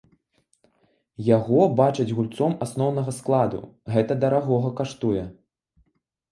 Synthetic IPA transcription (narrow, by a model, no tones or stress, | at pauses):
jaɣɔbat͡ʂɐd͡zʲɣulʲt̪sɔmasnɔwnɐɣɐsklˠad̪ṵɣɛt̪ɐd̪ɐɾaɣɔɣɐkaʂt̪ujɛ